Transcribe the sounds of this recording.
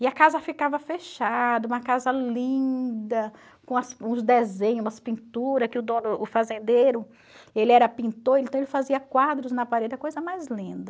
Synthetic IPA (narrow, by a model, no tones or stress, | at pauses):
ɪɐkazɐfikavɐfeʃad̪ɐũmɐkazɐlĩd̪ɐ | kõɐsũzd̪ezẽɲumɐspĩnt̪uɾɐskɪʊd̪õnʊːfazẽnd̪ejɾʊ | elɪɛɾɐpĩnt̪oɾẽĩt̪w̃elɪfaziɐkwad̪ɾʊznɐpaɾed͡ʒɪɐkojzɐmajzlĩd̪ɐ